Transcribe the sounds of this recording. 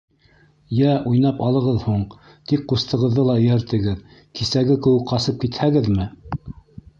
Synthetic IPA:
jæʔujnɑpɑlˠɤ̆ʁɤðhuɴ | t̪ik̚qust̪ɤ̆ʁɤ̆ðːɤlˠɑɵ̆jæɾt̪ɘ̆ɡɘð | kisæɡɘkɘ̆wɘkqɑsɤp̚kit̪hæɡɘðmɘ

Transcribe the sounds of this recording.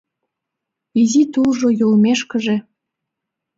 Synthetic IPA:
izit̪ulʒojolmeʃkə̆ʒĕ

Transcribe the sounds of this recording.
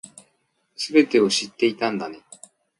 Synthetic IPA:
sɨbe̞t̪e̞o̞ɕit̪ːe̞it̪ãnd̪ane̞

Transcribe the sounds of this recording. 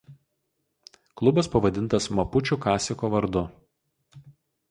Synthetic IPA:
klˠʊbɐspɐʋɐd̪ʲɪnt̪ɐsmɐpʊt͡ʃʲuˑkɑːsʲɪkoːʋɐɾd̪ʊ

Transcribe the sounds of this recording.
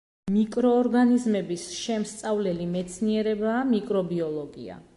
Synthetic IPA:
mikʼɾɔːɾɡanizmɛbisʃɛmst̪sʼavlɛlimɛt̪sʰniɛɾɛbaːmikʼɾɔbiɔlˠɔɡḭa̰

